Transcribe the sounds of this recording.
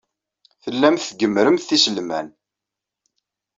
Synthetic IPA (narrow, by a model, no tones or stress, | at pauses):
θəlːæmθθɡəmːɾəmθθisəlmæn